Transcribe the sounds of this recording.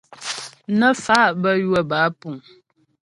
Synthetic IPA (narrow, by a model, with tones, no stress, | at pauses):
nə˦fa˦ʔbə˦jwə˨ba˨˦pu˨